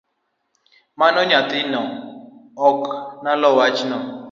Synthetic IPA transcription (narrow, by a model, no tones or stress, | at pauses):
manɔɲatɪnɔ | ɔknalɔwat͡ʃnɔ